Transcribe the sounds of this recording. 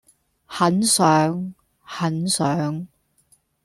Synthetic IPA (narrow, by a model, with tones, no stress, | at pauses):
hɐ˨˥nsœː˨˥ŋ | hɐ˨˥nsœː˨˥ŋ